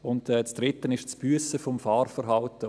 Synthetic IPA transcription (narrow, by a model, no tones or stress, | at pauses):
ʊntɛːt͡sd̥ɾɪtːənɪʃt͡sb̥yəsəfɔmfɑːrfəɾɦɑltə